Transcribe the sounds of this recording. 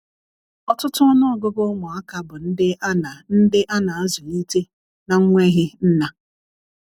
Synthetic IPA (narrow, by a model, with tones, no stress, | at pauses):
ɔ˦tʊ˦tʊ˦ɔ˦nɔ˦˨ɡʊ˦bʊ˦ŋʷʊ˨a˦ka˨bʊ˨n̩˦dɪ˦a˦na˨n̩˦dɪ˦ʔa˦na˨a˦zʊ˨ni˦te˦ | na˨ŋ̩˦ŋʷe˦ɦɪ˦n̩˦na˦